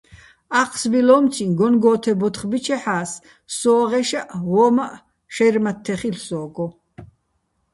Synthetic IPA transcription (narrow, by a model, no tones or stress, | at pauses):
aqʰsbilɔːmt͡sʰinɡɔnɡɔːt̪ʰɛbɔt̪χbit͡ʃʰɛħaːsː | ɔːʁɛʃaʔwɔːmaʔ | ʃɛjrmat̪ʰːɛχilsɔːɡɔ